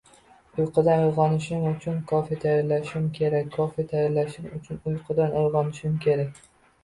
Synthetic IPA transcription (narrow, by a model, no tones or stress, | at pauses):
ʊjqʰɨd̪anojʁɒnɪʃɪmʊt͡ʃʰʊnkʰɒfit̪ʰajɑɾlaʃɪmkʲʰe̞ɾakʲʰːɒfit̪ʰajɪɾlaʃɪmʊt͡ʃʰʊnʊjqʰɨd̪anojʁɒnɪʃɪmkʲʰe̞ɾakʲ